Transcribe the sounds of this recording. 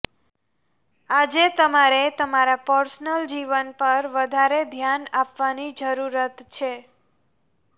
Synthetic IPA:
ad͡ʒet̪əmaɾet̪əmaɾapəɾsnəld͡ʒiʋənpəɾʋəd̪ʱaɾed̪ʱjanapʋanid͡ʒəɾuɾət̪t͡ʃʰe

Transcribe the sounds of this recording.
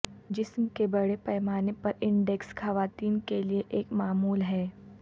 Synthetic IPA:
d͡ʒɪsmkebɐɽepɛːmaːnepɐɾɪ̃ɳɖɛksxɐʋaːt̪iːnkelieʔeːkmaːmuːlɦɛː

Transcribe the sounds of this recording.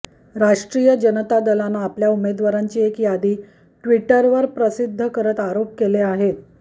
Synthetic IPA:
ɾaʂʈɾijəd͡ʑənət̪ad̪əlanaːpljaumed̪ʋaɾaɲt͡ɕiːekjad̪iː | ʈʋiʈəɾʋəɾpɾəsid̪ʱːəkəɾət̪aɾop̚keleaɦet̪

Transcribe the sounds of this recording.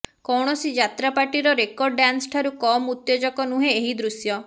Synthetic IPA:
kɔwɽ̃ɔsid͡ʒat̪ɾapaʈiɾɔɾekɔɾɖɖansʈʰaɾukɔmut̪jɔd͡ʒɔkɔnuɦẽːɦid̪ɾusjɔ

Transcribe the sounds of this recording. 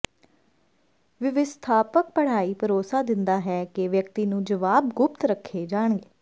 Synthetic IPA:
ʋɪʋɪst̪ʰaːpək̚pəɽ̤aːiːpʰəɾoːsaːd̪ɪnd̪aːɦɛːkɪʋjəkt̪iːnũːd͡ʒəʋaːbɡʊp̚t̪ɾəkʰːeːd͡ʒaːɳɡeː

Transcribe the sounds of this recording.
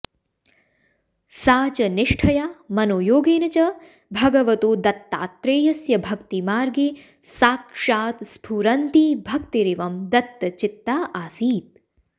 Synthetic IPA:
saːt͡ʃɐniʂʈʰɐjaːmɐnoːjoːɡeːnɐt͡ʃɐ | bʱɐɡɐʋɐt̪oːd̪ɐt̪ːa̰ːt̪ɾeːjɐsjɐbʱɐkt̪imaːɾɡi | saːkʂaːt̪spʰuːɾɐnt̪ibʱɐkt̪iɾiʋɐmd̪ɐt̪ːɐt͡ʃɪt̪ːaːʔaːsiːt̪̚

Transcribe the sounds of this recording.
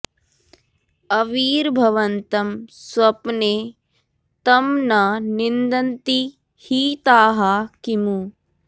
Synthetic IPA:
ɐʋiːɾbʱɐʋɐnt̪ɐmswɐpneː | t̪ɐmnɐnind̪ɐnt̪i | hiːt̪aːɦaːkimu

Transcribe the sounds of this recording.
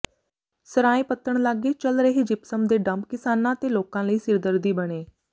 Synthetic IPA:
səɾaːẽːpət̪ːəɳ̃laːɡeːt͡ʃəlɾəɦeːd͡ʒɪpsəmd̪eːɖəmkɪsaːnãːt̪eːloːkãːləiːsɪɾd̪əɾd̪iːbəɽ̃eː

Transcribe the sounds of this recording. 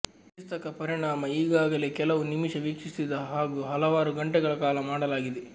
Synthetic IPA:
pust̪ɐkɐpɐɾiɳaːmɐiːɡaːɡɐle̞ːkɛlɐʋunimiʃɐʋikʂisid̪ɐɦaːɡuːɦɐlɐʋaːɾuɡɐɳʈɛɡɐɭɐkaːlɐmaːɽɐlaːɡid̪e

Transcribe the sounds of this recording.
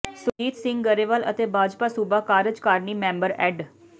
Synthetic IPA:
sʊd͡ʒiːt̪sɪ̃ŋɡɡəɾeːʋələ̰t̪eːbʱaːd͡ʒpaːsubaːkaːɾəd͡ʒkaːɾniːmɛ̃ːmbəɾɛːɖ

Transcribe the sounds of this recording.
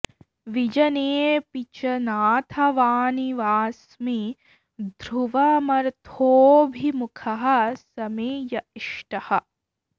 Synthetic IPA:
ʋid͡ʒɐneːpit͡ʃɐnaːt̪ʰɐʋaːniʋaːs | mi | d̪ʱɾuʋɐmɐɾt̪ʰoːbʱimukʰɐɦɐ̆sɐmeːjɐiʂʈɐhɐ̆

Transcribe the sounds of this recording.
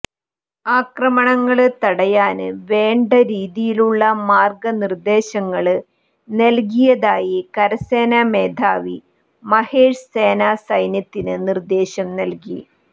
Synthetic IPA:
aːkrɐmɐɳɐŋːɐɭɨt̪ɐɽɐjaːnɨʋe̞ːɳɖɐɾiːðijiluɭːɐmaːrɡɐnird̪e̞ːɕɐŋːɐɭɨ | nelk̬ijɐðaːjikɐɾɐse̞ːname̞ːd̪ʱaːʋi | mɐheːʂse̞ːnaːsɐjnjɐt̪ːinɨnird̪e̞ːɕɐmnɐlkḭ

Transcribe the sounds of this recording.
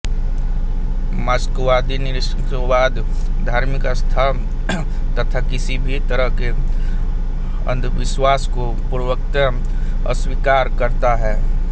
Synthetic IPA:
maskuʋaːd̪inɪɾɪʂə | baːd̪ | d̪ʱaːɾmɪkst̪ʰa | t̪ət̪ʰakɪsibʱit̪əɾəɦke | ə̰̃nd̪ʋɪʃwaːsko | pɾəwək̚t̪ə | ə̰swikaːɾkəɾt̪aɦɛː

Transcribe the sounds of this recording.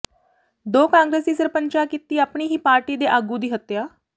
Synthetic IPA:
d̪oːkãːŋɡɾeːsd̪iːsəɾpənt͡ʃaːkiːt̪iːaːpɳiːɦiːpaːɾʈiːd̪eːʔaːɡuːd̪iːɦət̪ːjaː

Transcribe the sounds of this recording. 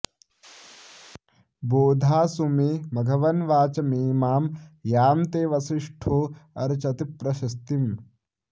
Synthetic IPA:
boːd̪ʱaːsumimɐɡʱɐʋɐnʋaːt͡ʃɐmiːmaːmjaːmt̪eːʋɐsiʂʈʰoːɐ̰ɾt͡ʃɐt̪ipɾɐʃɐst̪im

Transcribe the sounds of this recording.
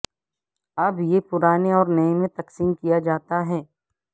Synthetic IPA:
ɐbjepʊɾaːneɔːɾnəẽmẽt̪ɐqsiːmkijad͡ʒaːt̪aɦɛː

